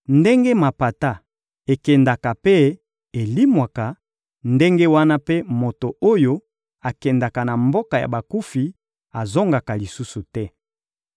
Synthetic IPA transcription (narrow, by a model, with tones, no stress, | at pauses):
nde˦ŋɡe˦ma˨pa˨ta˦ | e˨kɛ˨nda˨ka˨pe˦ | e˨li˦mwa˨ka˨ | nde˦ŋɡe˦wa˦na˦pe˦mo˨to˨o˦jo˦ | a˨kɛ˨nda˨ka˨na˨mbo˦ka˨ja̰˨ba˨ku˦fi˨ | a˨zo˦ŋɡa˨ka˨li˨su˦su˨tɛ˦